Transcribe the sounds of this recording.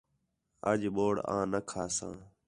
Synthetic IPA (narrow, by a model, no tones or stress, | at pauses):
əd͡ʒɓoːɽã̰ːnəkʰaːsã̰ː